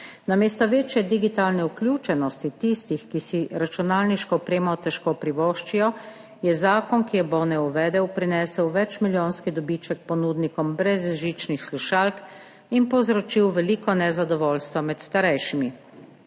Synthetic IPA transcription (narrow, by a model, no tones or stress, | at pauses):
nameːst̪ɔʋeːt͡ʃjɛd̪iɡit̪aːlnɛuklʲjuːt͡ʃɛnɔst̪it̪ist̪ixkisiɾat͡ʃunaːlniʃkɔɔpɾeːmat̪ɛʃkopɾiʋɔːʃt͡ʃijɔ | jɛzaːkɔnkijɛbɔnɛuʋɛd̪ɛwpɾinɛːsɛwʋɛt͡ʃmiljoːnskid̪ɔbit͡ʃɛk̚pɔnuːd̪nikɔmbɾɛzʒit͡ʃnixsluʃaːlk | inpɔwzɾɔt͡ʃiwʋɛliːkɔnɛzad̪ɔʋɔːlst̪ʋɔmɛt̪st̪aɾɛjʃimi